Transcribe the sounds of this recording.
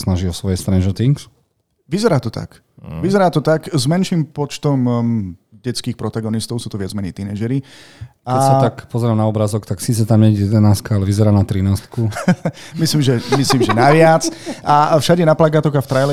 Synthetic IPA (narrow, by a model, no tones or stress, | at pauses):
snaʒiɔsʋɔjɛst̪ɾɛnʒɔɾt̪iŋks | ʋizɛɾaːt̪ɔt̪a̰k | ʋizɛɾaːt̪ɔt̪akzmɛnʃiːmpɔt͡ʃt̪ɔm | ɟɛt͡skiːxpɾɔt̪aɡɔnist̪ɔʊsuːt̪ɔʋɪad͡zmɛɲiːt̪inɛːʒɛɾikaɛsat̪akpɔzɛɾamnaɔbɾazɔkt̪aksiːt͡sɛt̪amɲɛjɛd̪ɛnaskaalɛʋizɛɾaːnat̪ɾinaːst̪ku | misliːmʒɛmisliːmʒɛnaʋɪat͡safʃaɟɛnaplaɡat̪ɔɣaft̪ɾajlɛ